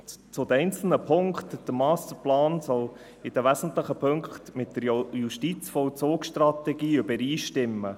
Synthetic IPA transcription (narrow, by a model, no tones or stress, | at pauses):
t͡sʊd̪əɛɪnt͡sl̩nəpʰʊŋkχtd̥əmɑːstəplɑːnsɔl | ɪd̥əʋæsn̩t̪ləχəpʰøŋktmɪtd̥əɾjuʃtit͡sfɔlt͡soːksʃtrɑt̪ɛɡiːʏbəɾiːʃtɪmːə